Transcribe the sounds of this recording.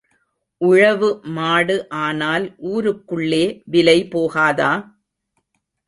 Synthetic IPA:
ʔʊɻɐʋɯmaːɽɯʔaːnaːlʔuːɾɯkːɯɭːeːʋɪlɐɪpoːɣaːðaː

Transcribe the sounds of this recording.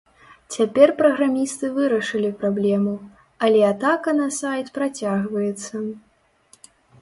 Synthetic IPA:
t͡sʲapʲɛrpɾɐɣɾamʲist̪ɨvɨɾɐʂɨlʲipɾablʲɛmu | ɐlʲɛat̪akɐnɐsajt̪pɾat͡sʲaɣvɐjɛt̪sːɐ

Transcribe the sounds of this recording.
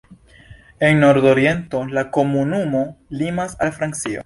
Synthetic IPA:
e̞nno̞ɾd̪o̞ɾje̞nto̞lako̞munumo̞limasalfɾant͡sio̰

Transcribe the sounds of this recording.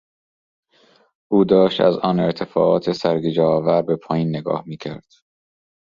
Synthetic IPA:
ʔuːd̪ɒːʃt̪æ̰zɒːne̞ɾt̪ʰe̞fɒ̰ːʔɒːt̪ʰesæɾɡid͡ʒɛɒːvæɾbepʰɒːjiːnːeɡɒ̰ːhmiːcʰæɾd̪̥

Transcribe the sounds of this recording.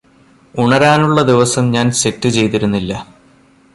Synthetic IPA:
uɳɐɾaːnuɭːɐd̪iʋɐsɐmɲaːnse̞tːɨt͡ɕe̞jt̪iɾunːilːɐ

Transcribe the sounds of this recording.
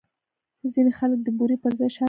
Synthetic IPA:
zinexalək̚d̪əbuɾipəɾzajʃɑ

